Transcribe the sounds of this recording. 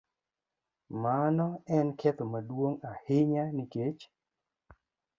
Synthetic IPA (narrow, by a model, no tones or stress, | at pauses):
manɔɛnkʰɛt̪omadwoŋahɪɲaniket͡ʃ